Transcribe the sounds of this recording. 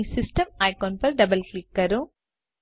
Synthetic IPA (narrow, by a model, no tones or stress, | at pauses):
isisʈɐmɐjkoːnpɐɾɖɐbɐlklikːɐɾu